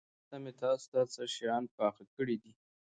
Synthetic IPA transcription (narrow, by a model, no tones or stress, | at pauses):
t̪amet̪ɑst̪ɑsaʃjɑnpɑxakəɽid̪i